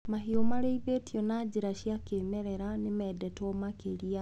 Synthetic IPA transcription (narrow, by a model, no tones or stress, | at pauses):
mahiomaɾeiβetjɔnaːd͡ʑiɾaɕjakeːmɛɾɛɾanemɛːdɛtɔmakeɾia